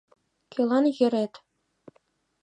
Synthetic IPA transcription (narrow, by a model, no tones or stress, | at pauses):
kʲelˠɑnjɘ̆ɾʲet̪ʲ